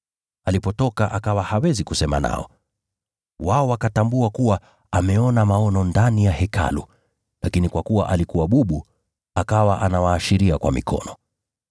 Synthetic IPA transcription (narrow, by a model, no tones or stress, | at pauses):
alipɔtɔkaʔakawahawɛzikusɛma̰na̰ɔ̰ | waɔwakatambuakuwa | amɛɔnamaɔnɔndanijahɛka̰lṵ | lakinikwakuwa̰ʔalikuwaɓuɓu | akawaʔanawaːʃiɾiakwa̰mḭkʰɔ̰nɔ